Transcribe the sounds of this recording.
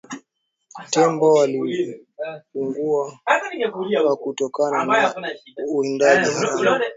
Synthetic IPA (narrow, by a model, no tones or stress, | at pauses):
tɛmbɔwali | fuŋɡua | wakutɔkanan | uɛndaʄiɦaa